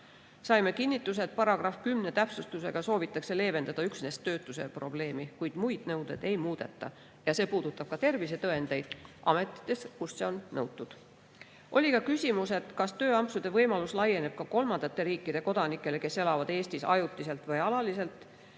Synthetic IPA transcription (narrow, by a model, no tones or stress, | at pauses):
sɑjme̞kinʲːit̪ːˑus̬e̞t̪̚pɑɾɑɡ̥rɑfkymne̞t̪æpsust̪use̞ɡ̥ɑso̞ːvit̪ːˑɑkse̞le̞ːve̞nd̪̥ɑd̪̥ɑyksne̞st̪ːøːt̪ːˑuse̞̰pro̞ble̞ːmikujd̪̥mujd̪̥nɤwd̪̥e̞d̪e̞jmuːd̪̥e̞̰t̪ːˑɑ̰ | jɑse̞ːpuːd̪̥ut̪ːˑɑb̥̚kɑt̪e̞rvise̞t̪ɤ̞e̞nd̪̥e̞jd̪̥ʔɑme̞t̪ːˑi̥t̪ːˑe̞skusse̞o̞nːɤwt̪ːˑud̪̥ | ʔo̞lʲikɑkysʲimuse̞t̪kɑst̪ø̞ːɑmpsud̪̥e̞vɤjmɑluslɑje̞ne̞b̥̚kɑko̞lmɑnd̪ɑt̪ːe̞ɾiːkːˑid̥̪e̞ko̞d̪̥ɑnikːˑe̞le̞ke̞se̞lɑvɑd̪̥e̞ːst̪isɑ̰jut̪ːˑise̞lt̪vɯjɑlɑlise̞lt̪ːˑ